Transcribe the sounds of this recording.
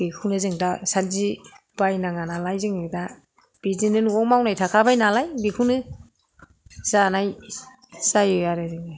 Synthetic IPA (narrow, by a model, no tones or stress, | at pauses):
b̥ikʰunɯzɯŋdasanzi | b̥ajnaŋanalajzɯŋɯda | b̥izinɯnɔŋmawnajtʰakʰabajnalajbikʰunɯ | z̥anaj | sajɯjaɾɯzɯŋa